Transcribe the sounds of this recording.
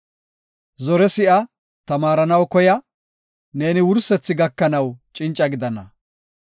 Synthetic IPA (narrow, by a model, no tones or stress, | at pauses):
zɔɾɛsɪʔɐ | t̪ɐmaːɾɐnɐwkɔjɐ | ne̞ːnɪwʊɾsɛt͡sːɪɡɐkːɐnɐwt͡ʃʼɪnt͡ʃʼːɐɡɪd̪ɐnɐ̰